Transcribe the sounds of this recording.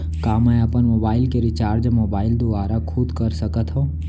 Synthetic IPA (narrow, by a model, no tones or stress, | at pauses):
kaːmɛ̃əpənmoːbaːɪlkeɾɪt͡ʃaːɾd͡ʒmoːbaːɪld̪uʋaːɾakʰʊd̪kəɾsəkət̪ɦõː